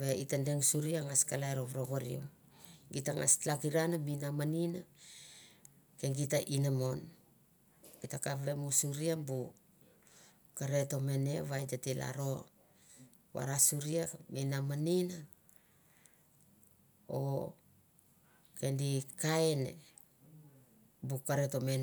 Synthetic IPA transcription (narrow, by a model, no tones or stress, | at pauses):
βeitandeŋsuɾiaŋaskalaeɾoβɾoɡoɾḭom | ɡitaŋa̰slakiɾanaminamanina | keŋɡitaʔinamo̞n | ɡitakaβe̞musuɾiambu | kaɾe̞to̞meneβajtatila̰ɾo̞ | βa̰ɾasuɾiaminamanina | o̰ | kendikaenḛ | bukaɾetomen